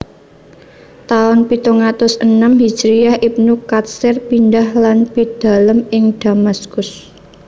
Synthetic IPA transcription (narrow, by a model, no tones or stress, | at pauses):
t̪aʊnpit̪uŋat̪ʊsənəmɦi̥d͡ʒɾijahʔip̚nukat̪̚sɪrpindahlanpid̪̥a̤ləmɪŋd̥a̤maskʊs